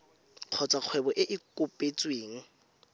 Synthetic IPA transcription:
q͡χʰɔt͡sʼwaq͡χʰwɛbɔʔɪʔɪkʼʊpʼet͡sʼweːŋ̩

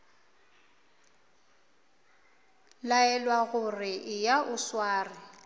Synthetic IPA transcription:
laɛlwaɣʊrɪʔɪjaʔʊswaːrɪ

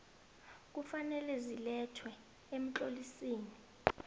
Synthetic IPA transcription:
k̬ufanɛlɛzilɛtʰwɛ | em̩t͡ɬolisiːni

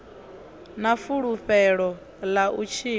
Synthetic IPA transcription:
nafuɺuɸɛɺɔ | laʔut͡ʃʰiː

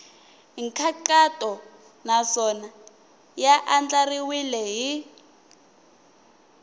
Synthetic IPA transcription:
ɦiŋkʰaǃatʼɔ | nasɔna | jaʔand͡ɮariwilɛɦi

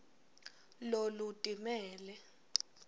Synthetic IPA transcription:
lolutʼimɛːlɛ

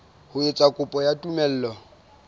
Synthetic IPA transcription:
hʊɪt͡sʼakʼʊpʼɔjatʼumɛl̩ːlɔ

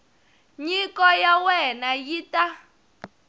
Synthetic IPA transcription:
ɲikɔjawɛnajita

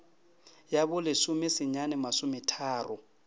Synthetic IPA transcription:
jabʊlɪsʊmɪsɪɲanɛmasʊmɪtʰaːrʊ

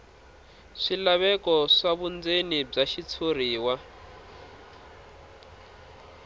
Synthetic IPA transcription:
ʂilaβɛkɔʂaβund͡zenib͡ʐaʃit͡sʰoriːwa

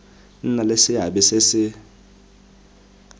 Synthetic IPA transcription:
n̩nalesɪɦaɓɛsɪsɪ

